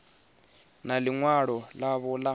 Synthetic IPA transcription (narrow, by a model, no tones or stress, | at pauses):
naliŋwaɺɔlaβɔla